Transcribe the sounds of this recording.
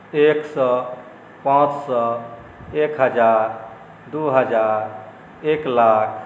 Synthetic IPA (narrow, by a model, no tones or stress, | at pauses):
eksə | pãt͡ʃsə | ekɦəd͡ʒaɾ | d̪uɦəd͡ʒaɾ | eklakʰ